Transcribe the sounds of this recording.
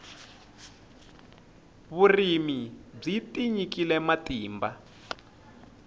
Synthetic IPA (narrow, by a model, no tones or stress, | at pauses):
βurimib͡ʐitiɲikilɛmatiːmba